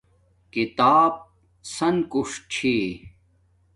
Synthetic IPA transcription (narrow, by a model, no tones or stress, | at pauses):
kit̪aːb̚ | sɐnkuʂt͡ɕʰiː